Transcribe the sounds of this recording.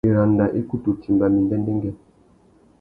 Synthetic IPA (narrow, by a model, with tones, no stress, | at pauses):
e˨ɾa˨nda˨ʔe˦ku˦tu˨ti˨mba˨mi˨ndɛ˦ndɛ˦ŋɡɛ˦